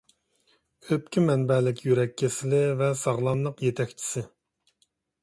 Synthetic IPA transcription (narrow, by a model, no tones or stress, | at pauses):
øpkʲimɛnbɛlɪkʲjyɾɛkʲʰːesɪlɪvɛsɑʁlˠɑnlˠəqjet̪ʰɛkʲt͡ʃʰi̥sɪ